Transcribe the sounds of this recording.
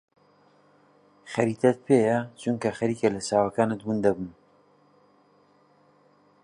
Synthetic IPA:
xɐɾit̪ʰɐt̪̚pʰeːjɐt͡ʃʰuŋkɐxɐɾiːkelɐsaːwɐkaːnɨt̪̚bund̪ɐbun

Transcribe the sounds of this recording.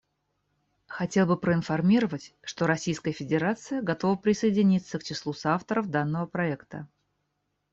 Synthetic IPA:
xɐtʲe̞lˠbɨpɾəɪnfɐrmʲiɾəvətʲʂt̪o̞ɾɐsʲijskəjəfʲɪdʲɪɾat̪sɨjəɡɐt̪o̞vəpɾʲɪsəɪdʲɪnʲit̪sːəkt͡ɕɪslˠusaft̪əɾəfd̪anːəvəpɾɐɛkt̪ə̰

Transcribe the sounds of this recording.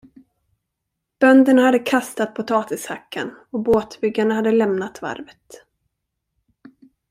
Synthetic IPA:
b̥œnd̪ənhad̪ːəkʰast̪at̪̚pʰʊt̪ʰɑːt̪ɪshakʰːa̰nɔboːt̪bʏɡːanəhad̪ːəlɛmnat̪va̰ɾvət̪

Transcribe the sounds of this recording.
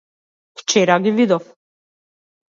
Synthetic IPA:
ft͡ʃɛɾaɡivid̪ɔf

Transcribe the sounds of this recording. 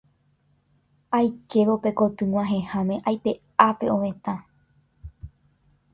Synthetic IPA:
ajke̞ʋope̞ko̞t̪ɨwʷãɦẽ̞hãmẽ̞ʔajpe̞ | ape̞õʋẽ̞t̪ã

